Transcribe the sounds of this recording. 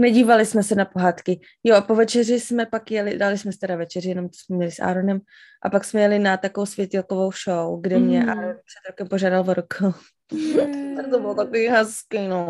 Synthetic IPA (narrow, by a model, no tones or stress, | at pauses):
nɛɟiːvalɪsmɛsɛnapo̞ɦaːt̪kɪ | joʔapovɛt͡ʃɛrɪsmɛpakjɛlɪdalɪsmɛsɪt̪ɛɾavɛt͡ʃɛrɪjɛno̞mt̪o̥smɛmɲɛlɪsʔa̰ːɾonɛm | ʔapaksmɛjɛlɪnat̪akoowsvjɛc̪ɛlkovo̞wʃowɡdɛmɲɛʔaːɾonpr̥ɛd̪ɾokɛmpoʒaːdalvoɾok | t̪obɪlt̪akoviːɦaskino